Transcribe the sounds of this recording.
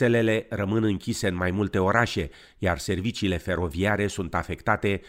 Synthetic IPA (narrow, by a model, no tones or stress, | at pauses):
e̞le̞le̞rəmɨnɨŋkʲise̞ɨnmajmult̪e̞o̞ɾaʃe̞ | jarse̞rvit͡ʃiːle̞fe̞ɾo̞viaɾe̞sunt̪afe̞kt̪at̪e̞